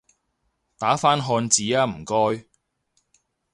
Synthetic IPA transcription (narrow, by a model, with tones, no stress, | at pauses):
t̪aː˨˥faː˥nɦɔː˧nt͡siː˨˥aː˧m̩˨˩kɔː˥j